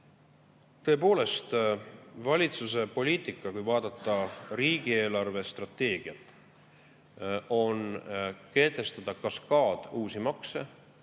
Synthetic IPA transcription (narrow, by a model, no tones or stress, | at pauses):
t̪ɤ̞e̞po̞ːle̞st̪ | vɑlʲit̪suse̞po̞lʲiːt̪ˑikːˑɑkujvɑːd̪̥ɑt̪ːˑɑɾiːɡ̥ie̞ːlɑrve̞st̪rɑt̪ːe̞ːɡ̥iɑ | o̞nke̞ːt̪e̞st̪ɑd̪̥ɑkɑskɑːd̪̥uːsimɑkse